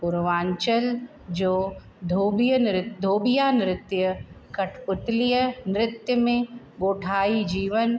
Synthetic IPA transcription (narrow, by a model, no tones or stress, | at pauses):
pʊɾʋãːɲt͡ʃəl | d͡ʒoː | d̪ʱoːbijənɾɪt̪d̪ʱoːbijaːnɪɾɪt̪jə | kɐʈʰpʊt̪lijənɾɪt̪jəmẽ | ɡoːʈʰaːid͡ʒiːʋən